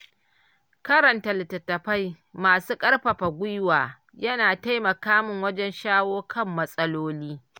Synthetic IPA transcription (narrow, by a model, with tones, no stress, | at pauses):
kɐ˦ɾɐ˨ntɐ˨lɪ˨tɐ˨tːɐ˨ɸa˦j | maː˨suː˦kʼɐ˦rɸɐ˨ɸa˨ɡʷʊ˦jwaː˨ | jɐ˦naː˨ta˦jmɐ˨kaː˦mʊ˨ŋwɐ˦d͡ʒɛ˦nʃaː˦woː˦kʰɐ˦˨mːɐ˦sʼɐ˦loː˦liː˦